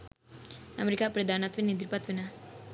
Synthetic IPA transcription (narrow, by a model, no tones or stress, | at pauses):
ɐ̰mɾikapɾəd̪ʱaːnat̪ʋinid̪ɾpat̪ʋina